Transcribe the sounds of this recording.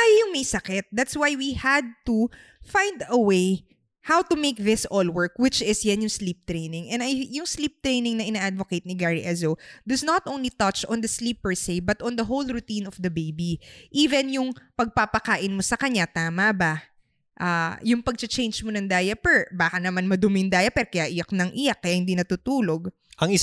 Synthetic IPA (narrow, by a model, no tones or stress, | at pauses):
ʔajjʊŋmejsɐkɛt̪̚d̪at̪swajwihɐd̪̚t̪u | fãjnd̪ɐwej | hawt̪ʊmejk̚ðɪsɔlwɜɹk̚wɪt͡ʃɪsjɐnjʊŋsliːp̚t̪ɹejnɪ̃ŋɛ̃nɐjjʊŋslip̚t̪ɹejnɪŋnɐʔɪnaːʔad̪vokejt̪̚nɪɡaɹiʔɛzod̪ɐsnɐt̪ʔõw̃nlit̪ɐtt͡ʃɔ̃nd̪ɐslipːɛɹsejbɐt̪ʔɔ̃nd̪ɐɦowlɹʊt̪ĩnɔfd̪ɐbejbiʔiːvɛnjʊŋpɐɡ̚papɐkaːʔɪnmosɐkɐɲat̪aːmɐba | ʔajʊŋpɐɡ̚t͡ʃɐt͡ʃẽjnd͡ʒmonɐŋd̪aːjɐpɛɹbaːkɐnɐmanmɐd̪ʊmɪnd̪aːjɐpɛɾokɐjaʔɪjak̚nɐŋʔɪjakːɐjahɪnd̪iːnɐt̪uːt̪uːloɡ̚ | ʔɐŋɪ